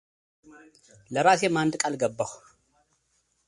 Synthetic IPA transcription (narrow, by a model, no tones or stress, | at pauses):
lɐɾasemand̪ɨkʼalɡɐbːɐx